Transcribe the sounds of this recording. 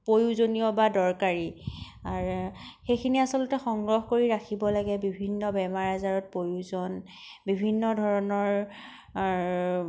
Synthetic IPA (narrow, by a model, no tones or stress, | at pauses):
pojuzoniɔbadɔɹkaɹi | aɹxejkʰiniasɔlʊtɛxɔŋɡɹɔxkoɹiɹakʰibɔlaɡɛbibʱinːɔbɛmaɹazaɹɔt̚pojuzɔn | bibʱinːɔdʱɔɹɔnɔɹ